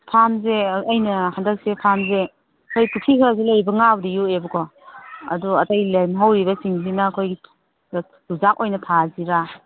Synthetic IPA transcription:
pʰamzeːjnɐhandɐk̚sepʰamze | kʰojtukʰikʰazelɐjbɐŋawdijuebɐkʰɔɐ̰duɐtajlajmɦawɾibɐsiŋsinɐːkʰojɡi | ɡuzak̚ojnɐtʰaziɾa

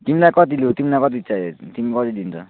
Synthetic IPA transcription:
t̪imilajkʌt̪ilut̪imilajkʌt̪̬it͡saet̪imikʌt̪id̪int͡sʰʌ̰

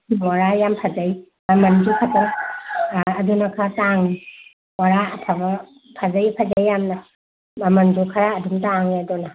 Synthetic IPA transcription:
mɔɾajampʰad͡ʒaj | mɐmɐndukʰata | dunakʰataŋi | waɾapʰabɐ | pʰad͡ʒajpʰad͡ʒajjamnɐ | mɐmɐndukʰaɾaːdumtaŋedɔna

